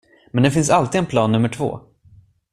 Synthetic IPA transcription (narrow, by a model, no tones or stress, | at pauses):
mɛnd̪ɛfɪns̬alt̪iːɛnpʰlɑːnːɵmːəʈʰv̥o̰ː